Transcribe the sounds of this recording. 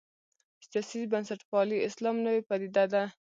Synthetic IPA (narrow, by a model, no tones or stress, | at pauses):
sijɑsizbansaʈpɑliɪslɑmnəwepad̪id̪ad̪a